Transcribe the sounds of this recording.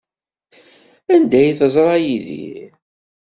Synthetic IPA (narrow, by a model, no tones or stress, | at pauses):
ænd̪æjθəzˤɾˤɑjiðḭ